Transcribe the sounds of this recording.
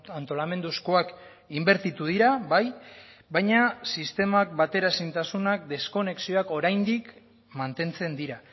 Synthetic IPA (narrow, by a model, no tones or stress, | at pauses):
ant̪o̞lame̞nd̪uskoak | imbe̞ɾt̪it̪uðiɾaβajbajɲasist̪e̞mak̚bat̪e̞ɾaesint̪asunak̚d̪e̞sko̞ne̞ksio̞ako̞ɾajnd̪ik | mant̪e̞nt͡se̞nd̪iɾa